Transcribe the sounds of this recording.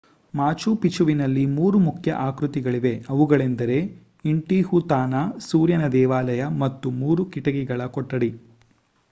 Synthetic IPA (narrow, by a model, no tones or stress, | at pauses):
maːt͡ʃupit͡ʃuʋinɐlːimuːɾumukʰjɐ̰ʔaːkɾut̪iɡɐɭiʋe̞ɐʋuɡɐɭend̪ɐɾe̞ | iɳʈihut̪aːnasuːɾjɐnɐd̪ɛːʋaːlɐjɐmɐt̪ːumuːɾukiʈɐɡiɡɐɭɐkɔʈːɐɽi